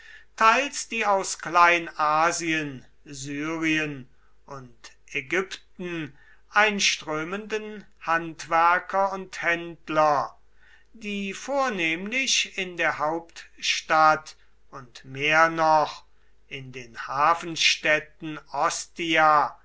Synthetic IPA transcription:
tʰaɪlsd̥iːaʊsklaɪnʔaːziən | zyːʁiən | ʔʊnt | ʔɛɡʏptn̩ | ʔaɪnʃtʁ̥øːməndən | hantv̥æɐkʰɐʊnthɛntlɐ | diːfoːɐneːmlɪɕɪndeːɐɦaʊptʃtat | ʊntmeːɐnɔχ | ʔɪndeːnhaːfn̩ʃtɛtn̩ɔstia

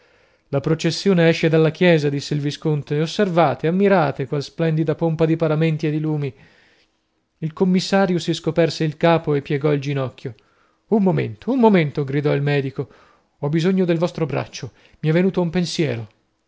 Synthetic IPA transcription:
lapɾot͡ʃesːjoːneɛʃːed̪alːakjɛːzad̪isːeilviskont̪eosːervaːt̪eamːiɾaːt̪ekwalsplɛnd̪id̪apompad̪ipaɾament̪ied̪iluːmi | ilkomːisːaːɾjosiskopɛrseilkaːpoepːjɛɡɔild͡ʒinɔkʰʲːjo | umːomḛnt̪ʰoumːoment̪oɡɾid̪ɔilmɛːd̪iko | ɔbizoɲːod̪elvɔst̪ɾobɾa̰t͡ʃːo | miɛvːenuːt̪oumpensjɛːɾo

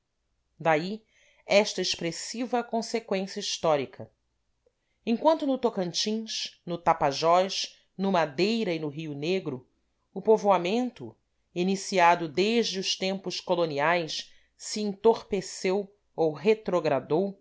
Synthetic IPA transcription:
d̪ai | ɛʃt̪ɐeʃpɾesivɐkõsekwẽsjɐiʃt̪ɔɾikʰɐ | ẽŋkwɐ̃nt̪ʊnʊt̪okɐ̃nt͡ʃĩʃnʊt̪apaʒɔʃ | nʊmad̪ejɾɐinʊɦiʊneɡɾʊ | ʊpovoamẽnt̪ʊ | inisiad̪ʊd̪eʒd͡ʒɪʊʃt̪ẽmpʊʃkoloniajʃ | siẽt̪oχpesew | owɦet̪ɾoɡɾad̪ow

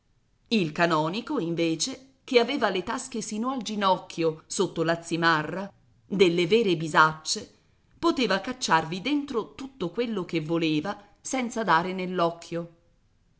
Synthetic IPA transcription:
ilkanɔːnikoiɱveːt͡ʃe | k̟eaveːvalet̪askesiːnoald͡ʒinɔkːjosot̪ːolat̪sːimarːa | d̪elːeveːɾebizat͡ʃːe | pot̪eːvakat͡ʃːarvid̪ent̪ɾot̪ut̪ːokwelːokevːoleːva | sɛnt̪sad̪aːɾenelːɔkʰːjo

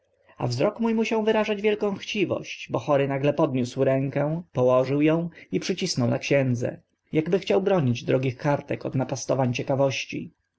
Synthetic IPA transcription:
a̰vzɾɔkmujmuɕaw̃vɘɾaʐad͡ʑvʲjɛlkɔ̃w̃xt͡ɕivɔ̰ɕt͡ɕbɔxɔɾɘnaɡlɛpɔd̪ɲuswɾɛŋkɛ̃w̃pɔwɔʐɘwjɔ̃w̃ipʂɘt͡ɕisnɔwnakɕɛ̃nd̪zɛ̰ | jaɡbɘxt͡ɕawbɾɔɲid͡ʑd̪ɾɔɡʲixkaɾt̪ɛkɔ̰d̪napast̪ɔvaɲt͡ɕɛkavɔɕt͡ɕḭ

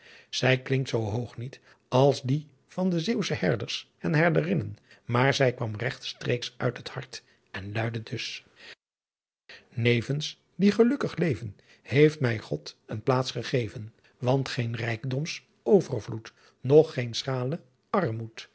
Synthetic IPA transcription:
z̥ɛjklɪŋktsowɦowχnit | ɑlˠsdi | v̥ɑndəzewsəhɛɹdəɹs | ɛnɦɛɹdərɪnən | maːɹzɛjkʋɑmrɛχtstrejksʔœ̰ɥtɦəthɑɹt | ɛnlœɥdədɵs | nejvəns | diχəlɵkəχlejvən | hejftmɛjχɔtənplaːtsχəχejvən | ʋɑntχejnrɛjkdɔms | ʔowvərvlut | nɔχːensχaːlə | ɑɹmut

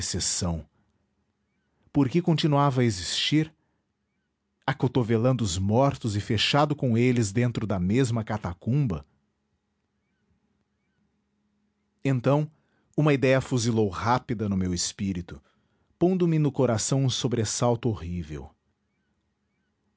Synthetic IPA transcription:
sesɐ̃w̃ | poɾkɪkõt͡ʃinuavɐɐezist͡ʃiɾ | akot̪ovelɐ̃nd̪ʊʊzmɔɾt̪ʊzɪfeʃad̪ʊkõelɪzd̪ẽnt̪ɾʊd̪ɐmezmɐkat̪akũbɐ̰ | ẽnt̪ɐ̃w̃ | ũmɐid̪ɛjɐfuzilowhapid̪ɐnʊmewɪspiɾit̪ʊ̥ | põnd̪ʊmɪnʊkoɾasɐ̃w̃ũsobɾesawt̪ʊohivḛw

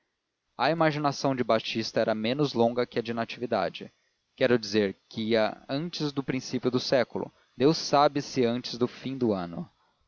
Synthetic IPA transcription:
ɐimaʒinasɐ̃w̃d͡ʒɪbat͡ʃist̪ɐɛɾɐmẽnʊzlõŋɡɐkɪɐd͡ʒɪnat͡ʃivid̪a̰d͡ʒɪ | kɛɾʊd͡ʒizeɾkɪɐ̃nt͡ʃɪzd̪ʊpɾĩsipiʊd̪ʊsɛkʊlʊ̰ | d̪ewsabɪsɪɐ̃nt͡ʃɪzd̪ʊfĩd̪ʊɐ̃nʊ̰

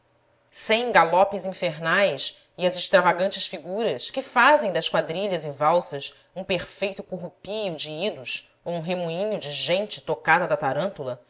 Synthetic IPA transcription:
sẽj̃ɡalɔpɪzĩfeɾnajs | ɪɐzɪʃt̪ɾavaɡɐ̃nt͡ʃɪsfiɡuɾɐskɪfazẽj̃d̪ɐskwad̪ɾiʎɐzɪvawsɐs | ũpeɾfejt̪ʊkuɦupijʊd͡ʒɪid̪us | owũɦemuĩɲʊd͡ʒɪʒẽnt͡ʃɪ̥t̪okad̪ɐd̪ɐt̪aɾɐ̃nt̪ulɐ

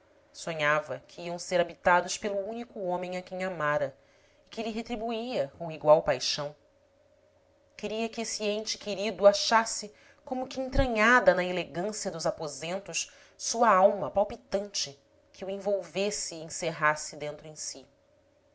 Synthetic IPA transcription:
sõɲavɐkʰɪiɐ̃w̃seɾabit̪ad̪ʊʃpelʊũnikʊõmẽj̃akẽj̃amaɾɐ | ɪkɪlɪɦet̪ɾibuiɐkõiɡwawpajʃɐ̃w̃ | kɪɾiɐkɪesiẽnt͡ʃɪ̥keɾid̪uaʃasɪ | kõmʊkɪẽnt̪ɾɐ̃ɲad̪ɐnɐeleɡɐ̃siɐd̪ʊzapozẽnt̪ʊʃ | suɐawmɐpawpit̪ɐ̃nt͡ʃɪ | kʰɪuẽvowvesɪẽseɦasɪd̪ẽnt̪ɾʊẽj̃si

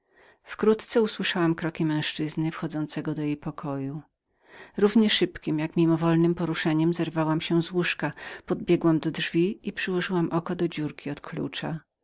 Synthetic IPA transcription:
fkɾut̪t̪sɛuswɘʂawamkɾɔkʲimɛ̃w̃ʂt͡ʂɘznɘfxɔd̪zɔnt̪sɛɡɔd̪ɔjejpɔkʰɔju | ɾuvɲɛʂɘpkʲimjakmʲimɔvɔlnɘmpɔɾuʂɛɲɛmzɛɾvawamɕɛzwuʂkapɔd̪̚bʲjɛɡwamd̪ɔdʐvʲiipʂɘwɔʐɘwamʔɔkɔd̪ɔd͡ʑuɾkʲiɔt̪kʰlṵt͡ʂa

